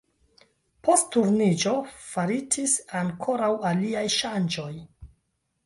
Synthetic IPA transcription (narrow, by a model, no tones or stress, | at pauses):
pʰo̞sttuɾnid͡ʒo̞faɾitisaŋkʰo̞ɾawaliajʃand͡ʒo̞j